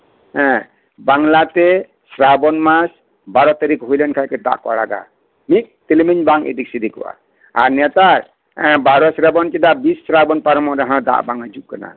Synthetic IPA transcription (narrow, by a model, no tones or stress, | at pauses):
ɛ̃ | baŋlat̪ɛ | sɾabɔnmas | baɾɔt̪aɾikɦujlɛnkʰajkɛd̪a̰ʔkɔ̰ɽa̰ɡa̰ | mik̚t̪ilimiɲbaŋḭd̪ik̚sid̪ikɔ̰wʔa̰ | a̰ɾnjat̪aɾ | ɛ̃baɾɔsɾabɔnkɛd̪aʔbisːɾabɔnpaɾmɔɾaɦãd̪a̰ʔbaŋad͡ʒuʔkana̰